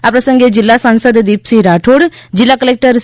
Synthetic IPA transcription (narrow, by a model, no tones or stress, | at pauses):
apɾəsə̃ŋɡed͡ʒilːasãnsəd̪d̪iːpsiɾaːʈʰoːɽd͡ʒɪlːakəleːk̚ʈəɾ